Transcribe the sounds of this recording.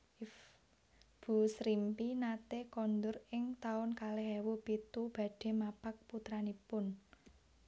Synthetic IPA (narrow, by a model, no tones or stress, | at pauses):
b̥ṳsɾimpinat̪ekɔnd̪ʊrɪŋt̪aʊnkaleɦɛwopit̪ub̥a̤ɖ̥e̤mapak̚put̪ɾanipʊn